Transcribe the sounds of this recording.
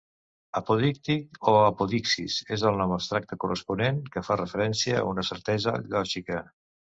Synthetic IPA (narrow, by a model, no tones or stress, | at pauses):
əpuðik̚t̪ikoapuðiksḭsezðəlˠnɔməst̪ɾak̚t̪əkurəspuneŋkəfarəfəɾɛnsiə̰unəsəɾt̪ɛzə̰ʎɔʃikə